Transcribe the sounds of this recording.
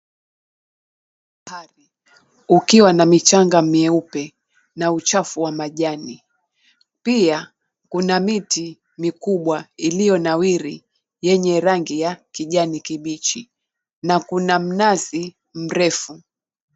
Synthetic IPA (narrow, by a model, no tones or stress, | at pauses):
haɾi | ukiwanamit͡ʃaŋɡamiɛupɛ | naut͡ʃafuwamaʄani | pia | kunamiti | mikuɓwailijɔnawiɾi | jɛɲɛɾaŋɡijakiʄanikiɓit͡ʃi | nakunam̩nazi | m̩ɾɛfu